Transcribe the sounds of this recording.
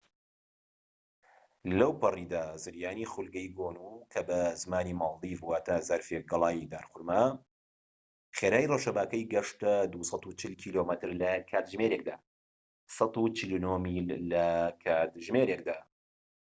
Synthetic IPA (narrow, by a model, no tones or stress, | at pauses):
lɐwpɨrid̪aːzɨɾjaːniχʊlɡɐjɡoːnukʰɐbɐzɨmaːniːmɑlˠd̪ivwaːt̪ʰaːzɐɾfek̚ɡɨlˠaːjid̪aːɾxʊɾmɐ | χeɾaːjrowʃɐbaːkɐjɡɐʂt̪ɐd̪usɑt̪ut͡ʃʰɨlkʰiːlomɨt̪ɨɾlɐkʰaːt̪ʒmeɾeːk̚d̪aː | sɑt̪ut͡ʃilunoːmilːɐkʰaːt̪ʒmeɾek̚d̪aː